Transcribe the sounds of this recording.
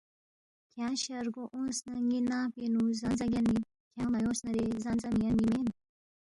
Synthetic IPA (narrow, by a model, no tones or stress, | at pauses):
kʰjaɕɐɾɡoʔõːnsnɐŋɡinapenuzɐnzɐɡʲani | kjaːmɐjõːsnɐɾezɐnzɐmijɐnimen